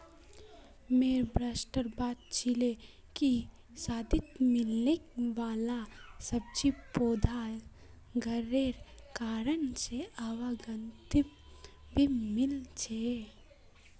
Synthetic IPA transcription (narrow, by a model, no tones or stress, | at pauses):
meːɾbɾaːsʈəɾbaːt̪̚t͡ʃʰile | ki | saːd̪ʱɪt̪mɪlekʋaːlasɐb̚t͡ʃipoːd̪ʱa | ɡʱəɾeɾkaːɾənseaʋaɡənt̪ɪ | bʱimɪlt͡ʃʰe